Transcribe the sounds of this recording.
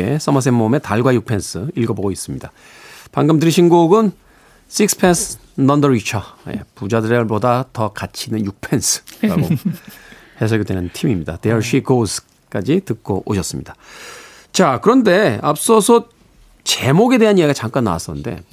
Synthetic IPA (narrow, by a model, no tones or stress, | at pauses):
e̞s͈ʰʌmas̬͈enmome̞taɭɡwajuk̚pʰe̞nsʰɯiɭɡʌboɡois͈ɯmɲida | paŋɡɯmdɯɾiɕʰinɡuɡɯn | sʰik̚sʰɯ̥pʰensʰ | nʌndʌɾit͡ɕʰʌjḛpud͡ʑadɯɾeɭbodatʌkat͡ɕʰinɯnjuk̚pʰe̞nsʰɯ̥ɾa̰ɡo | he̞sʰoɡedwenɯntʰimimɲida̰teʌɭɕiɡosʰ | k͈ad͡ʑitɯk̚k͈oʔoɕʰʌs͈ɯmɲid̥a | t͡ɕakɯɾʌnde̞a̰p̚s͈ʌsʰʌ | t͡ɕe̞moɡe̞de̞ɦanjeiɡat͡ɕaŋk͈anːa̰wa̰s͈ʌnɯ̰nde̞̰